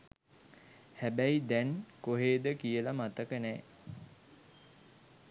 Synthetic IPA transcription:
hæbæjd̪ɛnkoɦeːd̪əkijəlamat̪əkənɛː

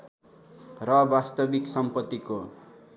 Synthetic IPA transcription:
rʌbast̪ʌbiksʌmpʌt̪ːiko

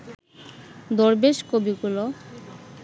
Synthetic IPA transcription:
d̪oɾbeʃkobiɡulo

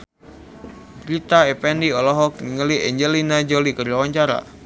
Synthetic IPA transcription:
bɾit̪aɛpɛndiɔlɔɦɔk̚niŋəliʔɛɲd͡ʒəlinad͡ʒɔlikərlawaɲt͡ʃaɾa̰

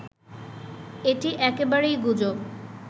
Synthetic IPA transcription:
eʈiʔɛkebaɾejɡud͡ʑo

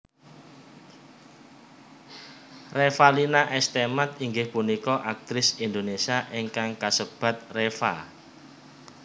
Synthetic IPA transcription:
refalinaʔɛst̪emat̪̚iŋɡɪhpunikɔʔak̚t̪ɾɪsind̪onesiaʔeŋkaŋkasəb̥ä̤t̪̚refa̰

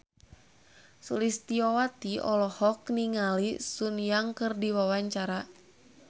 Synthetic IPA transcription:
sulist̪iɔwat̪iɔ̰lɔhɔkniŋalisunjaŋkɨrdiwawaɲt͡ʃaɾa

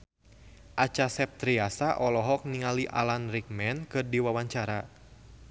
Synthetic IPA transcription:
ʔat͡ʃasɛp̚t̪ɾiasaʔɔlɔɦɔk̚niŋaliʔa̰lanrik̚mɛnkɨrdiwawaɲt͡ʃaɾa

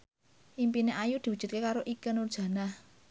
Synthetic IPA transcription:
ʔimpineʔajud̪̥i̤wud̥ʒ̥ṳt̪̚kekaɾoʔikənurd̥ʒ̥ä̤nah

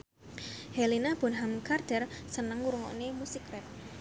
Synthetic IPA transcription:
hɛlinab̥ʊ̤nɦamkard̪̥ɛrsənəŋuɾuŋɔ̰ʔnemusikɾɛp̚

